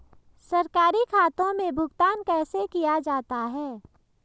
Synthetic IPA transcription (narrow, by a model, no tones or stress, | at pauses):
sɐɾkaːɾikʰaːt̪õmẽbʱʊɡt̪aːnkɛːsekijad͡ʒaːt̪aɦɛː